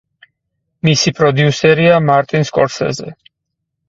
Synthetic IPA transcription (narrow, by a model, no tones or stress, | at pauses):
misipʼɾɔd̪iusɛɾiamaɾt̪ʼinskʼɔɾsɛ̰zɛ̰